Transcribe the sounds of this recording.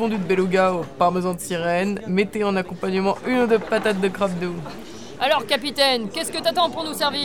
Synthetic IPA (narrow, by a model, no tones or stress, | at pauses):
fɔ̃d̪yd̪əbeluɡaopaʁməzɑ̃t̪siʁɛnmet̪eɑ̃nakɔ̃paɲəmɑ̃ʔynd̪əpat̪at̪̚d̪əkχap̚d̪o | alɔʁkapit̪ɛnkʲɛskət̪yat̪ɑ̃puʁnusɛʁvi